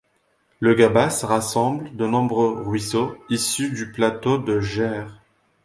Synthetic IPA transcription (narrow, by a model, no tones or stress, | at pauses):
ləɡabasəʁasɑ̃bləd̪ənɔ̃bʁøʁɥisoisyd̪yplat̪od̪əʒɛʁ